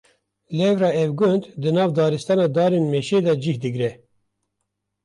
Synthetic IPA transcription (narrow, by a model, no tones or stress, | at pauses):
lɛvɾɑːɛvɡʊnd̪d̪ɨnɑːvd̪ɑːɾɨst̪ɑːnɑːd̪ɑːɾeːnmeʃeːd̪ɛd͡ʒihd̪ɨɡɾɛ